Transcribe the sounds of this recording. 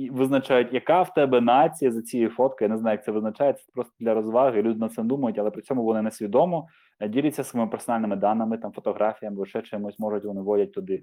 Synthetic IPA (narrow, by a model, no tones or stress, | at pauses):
iʋɪznɐt͡ʃajʊtʲjɐkawt̪ɛbɛnat͡sʲijɐzɐt͡sʲijɛjfɔt̪kɔjnɛznɑjɐkt̪sɛʋɪznɐt͡ʃajɛt̪sɛpɾɔst̪ɔd̪lʲɐɾɔzʋɑɦɪlʲud̪ɪnɐt̪sɛmd̪umɐjʊtʲɐlˠɛpɾɪt͡sʲɔmʊʋɔnɪnesʲʋʲid̪ɔmɔ | dʲilʲɪt͡sʲːɐsɐɔimɪpɛrsɔnɑlʲnɪmɪd̪ɑnːɐmɪt̪ɑmfɔt̪ɔɦɾɑfʲijɐmɪɐʃɛt͡ʃɪmusʲmɔʒʊtʲʋɔnɪʋɔdʲɐt̚ʲt̪ʊd̪ɪ